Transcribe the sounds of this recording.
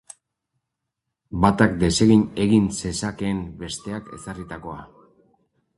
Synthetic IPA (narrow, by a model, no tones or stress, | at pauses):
bat̪akd̪e̞se̞ɣine̞ɣinse̞sake̞ːmbe̞st̪e̞ake̞̰sarit̪ako̞a